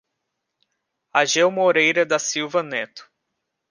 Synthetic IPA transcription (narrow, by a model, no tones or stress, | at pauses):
aʒewmoɾejɾɐd̪ɐsiwvɐnet̪ʊ̥